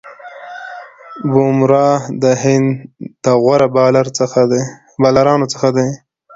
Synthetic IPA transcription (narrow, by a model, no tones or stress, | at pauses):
bomɾɑd̪əɦɪnd̪t̪aɣwaɾabɑlaɾxad̪ | bɑlaɾɑnot͡sə̥xad̪aj